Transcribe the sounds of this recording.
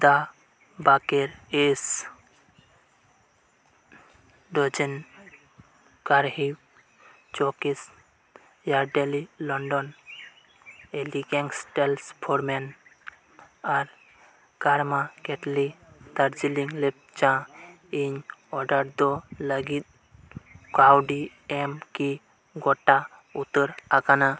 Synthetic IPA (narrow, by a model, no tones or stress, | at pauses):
d̪a | bakeɾes | ɖɔd͡ʒen | kaɾɦiw | t͡ʃokis | jaɾɖelilɔɳɖɔn | eliɡɛŋɡsʈelspʰoɾmen | aɾ | ɡaɾmakeʈlit̪aɾd͡ʒiliŋɡlep̚ | t͡ʃã | iɲɔɖaɾd̪ɔləɡit̪̚ | kawɖi | emki | ɡɔʈːa | ut̪ːəɾakana